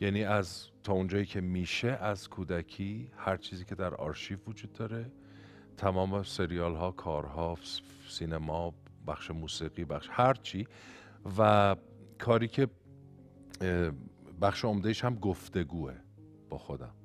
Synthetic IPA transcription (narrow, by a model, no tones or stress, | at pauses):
jæːniːæzt̪ʰɒːund͡ʒɒːjiːcʰe̞miːʃe̞ʔæz̥kʰuːd̪ækʰiːhæɾt͡ʃʰiːziːcʰe̞d̪æɾɒ̰ːɾʃiːvvod͡ʒuːd̪̚ːɒːɾe̞ | t̪ʰæmɒːmese̞ɾijɒːlɦɒːkʰɒːɾɦɒː | siːnemɒ | bæxʃemuːsiːɣiːbæxʃhæɾt͡ʃʰiː | væ | kʰɒːɾiːcʰe̞ | bæxʃeomd̪eiʃhæmɡoft̪e̞ɡuːe̞̰ | b̥ɒːxo̞d̪æ̰m